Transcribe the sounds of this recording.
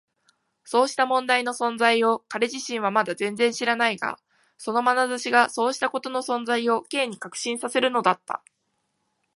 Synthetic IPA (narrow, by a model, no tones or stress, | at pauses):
so̞ːɕi̥t̪amõ̞nd̪aino̞sõ̞nd͡zaio̞kaɾe̞ʑiɕĩɰ̃β̞amad̪azẽ̞nd͡zẽ̞ɰ̃ɕiɾanaiɡa̰ | so̞no̞manazaɕiɡaso̞ːɕi̥t̪ako̞t̪o̞no̞sõ̞nzaio̞ke̞ːɲ̟ikakɯ̟̥ɕĩɰ̃sase̞ɾɯ̟no̞d̪at̪ːa̰